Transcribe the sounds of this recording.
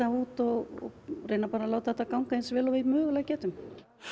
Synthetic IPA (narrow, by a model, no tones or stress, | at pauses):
auːt̪ɔɣɔ̰reːjnapaːɾalaːwt̪aɛt̪ːakawŋkaensvɛːlɔvɪðmœːɣʏlɛɣcɛːt̪ʏm